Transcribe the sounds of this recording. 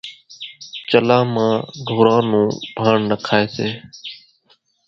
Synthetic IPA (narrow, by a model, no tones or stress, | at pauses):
t͡ʃəlãːmãːɖʱoːɾãːnũːb̥ʱaːɳnəkʰaːeːseː